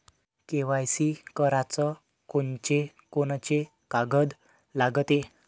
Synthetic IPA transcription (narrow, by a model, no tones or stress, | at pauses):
keʋajsikəɾat͡sə | kont͡ɕe | konat͡ɕe | kaɡəd̪ | laɡət̪e